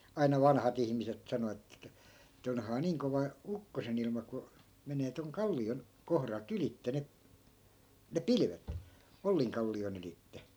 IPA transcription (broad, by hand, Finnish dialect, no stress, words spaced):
ɑinɑ ʋɑnhɑt ihmiset sɑno etːæ etːæ onhɑː niːŋ koʋɑ ukːosen ilmɑ ku meneː toŋ kɑlːion kohrɑlt ylitːe ne ne pilʋet olːiŋkɑlːion ylitːe